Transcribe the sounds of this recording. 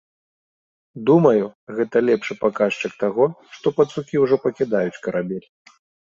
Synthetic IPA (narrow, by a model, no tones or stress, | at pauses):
d̪umɐjuɣɛt̪ɐlʲɛpʂɨpakaʂt͡ʂɐkt̪aɣɔʂt̪ɔpɐt̪sukʲiwʐɔpɐkʲid̪ajut͡sʲkɐɾʔabʲɛlʲ